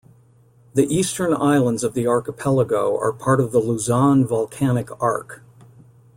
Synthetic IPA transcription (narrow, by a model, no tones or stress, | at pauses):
ðiʔistə̃˞naɪlˠə̃ndzʌvðiɑɹkəpʰɛlˠəɡoʊə̰˞pʰɑɹɾʌvðəluzɑ̃nvɑlˠkʰænɨkɑ̰ɹk